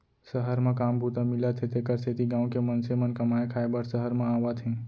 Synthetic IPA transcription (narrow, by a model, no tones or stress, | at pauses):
səɦəɾmãkambʱut̪əmilət̪ʰet̪ekəɾset̪iɡãũkemənsemənkəmaekʰaebəɾsəɦəɾmãaʋat̪ʰẽ